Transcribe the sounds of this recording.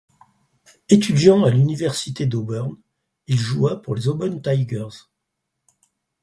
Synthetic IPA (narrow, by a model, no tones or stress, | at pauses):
et̪yd̪jɑ̃alynivɛʁsit̪ed̪obœʁn | ilʒuapuʁlezobœnt̪ajɡœʁz̥